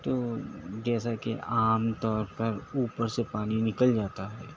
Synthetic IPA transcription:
t̪oːd͡ʒɛːsakeʔaːmt̪ɔːɾpəɾuːpəɾsepaːninɪkəld͡ʒaːt̪aɦɛː

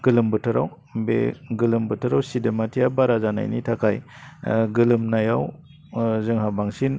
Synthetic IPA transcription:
ɡ̥ɯlɯmbɯtʰɯɾaw | bḛɡɯlɯmbɯtʰɯɾawsidematʰijabaɾazana̰jnḭtʰakʰaj | ɡɯlɯmnajaw | zɯŋɦabaŋsin

